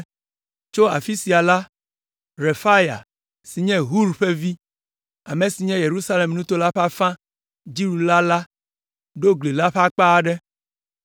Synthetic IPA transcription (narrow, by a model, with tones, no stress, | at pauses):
t͡ʃo˦a̰˨fi˦si˨a˨la˦ | ɾe˨fa˦ja̰˨ | si˨ɲɛ̃˦ɦu˦ɾɸe˦vi˦ | a˨me˨si˨ɲɛ̃˦je˨ɾu˦sa˦le˨mnũ˦t̪o˦la˦ɸa˦fã˦ | d͡ʒi˦ɾu˨la˦la˦ | ɖo˦ɡli˨la˦ɸa˦k͡pa˦ɖɛ˦